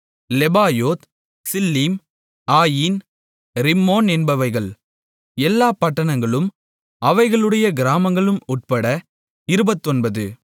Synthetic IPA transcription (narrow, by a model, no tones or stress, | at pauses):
lɛbaːjoːt̪ | sɪlːiːm | aːjin | ɾɪmːoːnɛnbɐʋɐɪɣɐɭ | ɛlːaːpɐʈːɐɳɐŋɡɐɭɯm | ɐʋɐɪɣɐɭɯɽɐjɐɡɪɾaːmɐŋɡɐɭɯmʊʈ̚pɐɽɐ | ɪɾɯbɐt̪ːɔnbɐðɯ